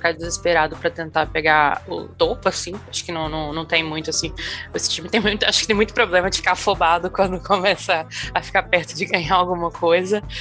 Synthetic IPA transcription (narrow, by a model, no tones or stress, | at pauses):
ikad͡ʒɪzespeɾad̪ʊpɾɐt̪ẽnt̪apeɡaʊ̰t̪opʊasĩaʃʊ̥kɪnɐ̃w̃nɐ̃w̃nɐ̃w̃t̪ẽj̃mũj̃t̪ʊasĩesɪ̥t͡ʃĩmɪt̪ẽj̃mũj̃t̪ʊaʃʊ̥kɪt̪ẽj̃mũj̃t̪ʊ̥pɾoblẽmɐd͡ʒɪfikafobad̪ʊkwɐ̃nd̪ʊkomɛsɐːfi̥kapɛɾt̪ʊd͡ʒɪɡɐ̃ɲaawɡũmɐkojzɐ